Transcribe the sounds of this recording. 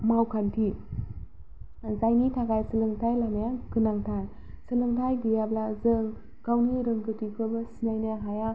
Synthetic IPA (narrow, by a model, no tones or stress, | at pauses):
mawkʰantʰi | zajnitʰaɡajsɯlɯŋtʰajlanajakɯnaŋtʰaj | sɯlɯŋtʰajdijablazɯŋ | kawniɾɯŋkɯtikʰɯbasinajnaɦaja